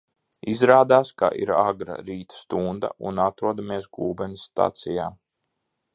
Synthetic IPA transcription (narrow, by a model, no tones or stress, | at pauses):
izɾaːd̪aːska̰ʔiɾaɡɾa̰ɾiːt̪st̪und̪a̰ʔṵnat̪ɾuɔd̪ameɛsɡuːbɛnisːt̪a̰t̪sijaː